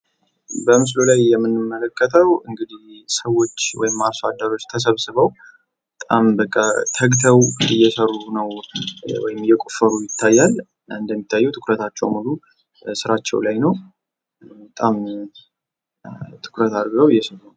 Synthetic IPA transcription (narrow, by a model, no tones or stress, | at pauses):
bəmɨs̬lolajːɛmːɨnːɨmːələkʰːət̪ʰəwɨŋɡɨd̪ihsəwːo̞t͡ʃːwɔ̰jɪmːasad̪ːəɾo̞t͡ʃːt̪ʰəs̬əβsɨβəw | ət̪ʼambəkʼːat̪ʰəɡt̪ʰəwɨjːɛsərːunəwwɔ̰jɪmɨjːɛkʼufəɾujɪt̪ʰːajːal | ɨnd̪əmːit̪ʰːajːɛwt̪ʰɨkɾət̪ʰat͡ʃːɛwmulu | sɨɾat͡ʃːɛ̰wlajnəw | bət̪ʼam | t̪ʰɨ̥kʰɾət̪ad̪ɡəwɨjːɛsərun